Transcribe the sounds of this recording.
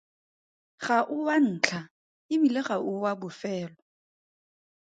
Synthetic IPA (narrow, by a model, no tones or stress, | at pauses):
ɣaʔʊwan̩ːt͡ɬʰa | ɪbilɪɣaʔʊwabʊfɛːlɔ